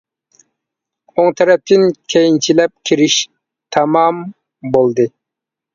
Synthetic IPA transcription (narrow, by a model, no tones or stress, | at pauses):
oŋt̪ʰɛɾɛp̚t̪ʰɪnkʲʰejint͡ʃʰilɛp̚kʲʰiɾiʃ | t̪ʰɑmɑm | bolˠd̪ɨ